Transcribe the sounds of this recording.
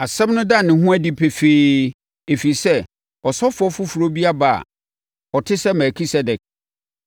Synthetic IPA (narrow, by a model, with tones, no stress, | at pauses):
a˨sɛ̃˦mnʊ̃˦da˦˨nɪ̃˨ɦũ˦æ˦di˦pʰe˨feː˦ | e˨fi˨sɛ˦ | ɔ˨sɔ˦fʊ˨˦ɔ˦fʊ˦fu˨ɾo˦bi˦a˦ba˨a̰˨ | ɔ˨tʰɪ˦sɛ˦mɛ˨kʰi˦sɛ˦dɛ˨k̚